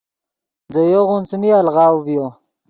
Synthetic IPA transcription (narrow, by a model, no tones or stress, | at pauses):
d̪əjoɣunsmialʁɑːwvjo